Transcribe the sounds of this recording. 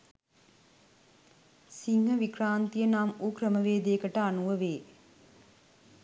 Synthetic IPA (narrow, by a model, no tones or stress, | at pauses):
siŋhəʋikraːnt̪ijənaːmuːkɾəməʋeːd̪ejəkəʈəanuʋəʋeː